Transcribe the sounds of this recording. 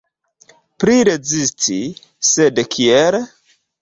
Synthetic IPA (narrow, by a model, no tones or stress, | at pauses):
pɾiɾe̞zistʰi | sedkʰiel